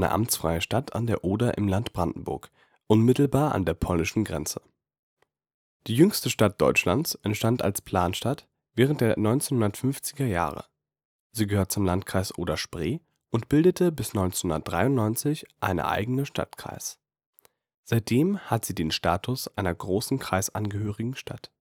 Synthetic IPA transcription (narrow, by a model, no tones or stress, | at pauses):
nə̰ʔa̰mt͡sfʁ̥aɪəʃtatʰa̰ndeːɐʔoːdaʔɪ̰mlantb̥ʁandn̩bʊ̰ɐk | ʔʊnmɪtl̩baːɐʔa̰ndeːɐpʰɔlnɪʃn̩ɡʁɛ̰nt͡sə | d̥iːjʏŋstəʃtat̚d̥ɔ̰ʏt͡ʃla̰nt͡sʔɛntʃtanta̰lspʰl̥aːnʃtat | v̥ɛːʁ̞əntd̥eːɐnɔʏnt͡seːnhʊndɐtfʏnft͡sɪɡɐja̰ːʁə̰ | ziːɡəhøːɐtt͡sʊmlantkʁ̥aɪsʔoːdɐʃpʁ̥eː | ʔʊntb̥ɪldətʰəbɪsnɔʏnt͡senhʊndɐtd̥ʁaɪʊntnɔʏnt͡sɪçʔa̰ɪnə̰ʔa̰ɪɡənəʃtʰa̰tkʁ̥a̰ɪs | z̥aɪt̚d̥eːmhatz̥iːdeːnʃtaːtʰʊsʔaɪnɐɡʁoːsn̩kʁ̥aɪsʔa̰nɡəhøːʁɪɡŋ̩ʃtʰa̰t